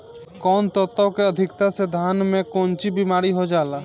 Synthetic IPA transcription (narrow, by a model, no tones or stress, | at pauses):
kɔːnt̪ɔt̪ːɔkeəd̪ʱɪkt̪ased̪ʱaːnmẽkoːnt͡ʃibimaːɾiɦod͡ʒaːla